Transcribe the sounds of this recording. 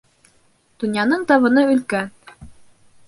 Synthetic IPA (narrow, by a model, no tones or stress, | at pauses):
d̪̥ŭnjɑnɤɴt̪ɑβɤ̆nɤɵ̆lkæn